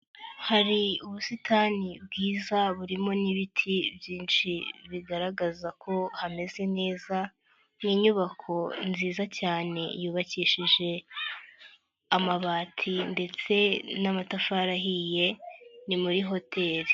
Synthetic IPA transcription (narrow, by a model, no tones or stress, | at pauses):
haɾiuβusitʰaːnibɡiːzaβuɾimo̞niβitʰibjiːnʃiβiɡaɾaɡazakʰo̞hame̞ze̞ne̞ːza | niːɲuβakʰo̞nziːzacaːne̞̰juːβaciːʃiʒe̞ | amaβaːtʰinde̞t͡se̞namatafaɾaɦije̞nimuɾiɦo̞tʰe̞ɾi